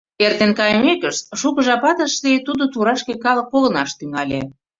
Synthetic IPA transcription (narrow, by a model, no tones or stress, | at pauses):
ert̪enkɑjə̆mekəʃt̪̚ʃukə̆ʒɑpɑt̪əʃlet̪ud̪ot̪uɾɑʃkekɑlɤ̆k̚poɣə̆nɑʃt̪yŋɑlʲḛ